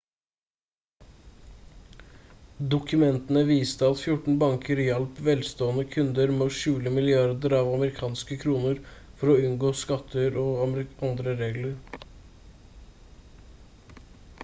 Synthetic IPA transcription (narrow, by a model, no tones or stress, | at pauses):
d̪ʊkʉmɛnt̪ənəʋiːst̪əɑt̪fjʊʈɳ̩bɑŋkʰəɾjɛlpʋɛlst̪oːənəkʰʉnd̪əɾmoːʃʉːləmɪlɪɑɾd̪əɾɑːʋɑməɾɪkʰɑːnskəkʰɾuːnəɾfɔɾɔʉnɡoːskɑt̪ʰːəɾɔːɑɾɪʔɑnd̪ɾəɾeːɡləɾ